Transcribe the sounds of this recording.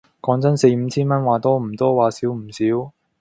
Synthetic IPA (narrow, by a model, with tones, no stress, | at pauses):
kɔː˨˥ŋt͡sɐ˥nse˧jm̩˨˧˥t͡sʰiː˥nmɐ˥nwaː˨˩t̪ɔː˥m̩˨˩t̪ɔː˥waː˨siː˨˥wm̩˨˩siː˨˥w